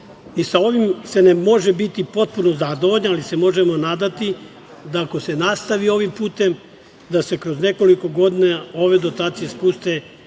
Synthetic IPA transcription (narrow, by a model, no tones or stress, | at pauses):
isao̞ʋimse̞nemo̞ʒe̞bit̪ipo̞t̪̚puno̞zad̪oʋoʎnalise̞mo̞ʒemo̞naːd̪at̪i | d̪aːko̞se̞nast̪aʋio̞ʋimpuːt̪e̞m | d̪ase̞kɾo̞zne̞ko̞liko̞ɡo̞d̪inao̞ʋe̞d̪o̞t̪aːt̪sije̞spust̪e̞